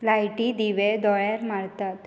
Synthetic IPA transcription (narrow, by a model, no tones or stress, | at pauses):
lajʈid̪iʋed̪ɔɭaɾmaɽt̪at̪